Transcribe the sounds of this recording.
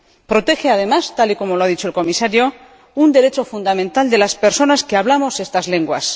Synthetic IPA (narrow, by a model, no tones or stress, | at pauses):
pɾo̞t̪e̞xe̞að̞e̞mast̪aliko̞mo̞loaðit͡ʃoelko̞misaɾjo̞ | und̪e̞ɾe̞t͡ʃo̞fund̪amẽ̞nt̪ald̪e̞laspe̞ɾso̞naskeaβ̞lamo̞se̞st̪azle̞ŋɡwa̰s